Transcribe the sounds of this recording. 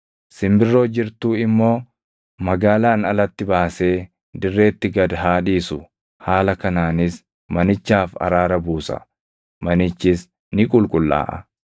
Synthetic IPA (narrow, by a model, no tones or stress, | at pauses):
sɪmbɪrːo̞ːd͡ʒɪɾt̪uːɪmːo̞ː | mɐɡaːlaːnɐlɐt̪ːɪbaːse̞ː | d̪ɪrːe̞ːt̪ːɪɡɐd̪ɦaːᶑiːsʊ | haːlɐkɐnaːnɪs | mɐnɪt͡ʃːaːfɐ̰ɾaːɾɐbuːsɐ̰ | mɐnɪt͡ʃːɪs | nɪkʼʊlkʼʊlːa̰ːʔɐ̰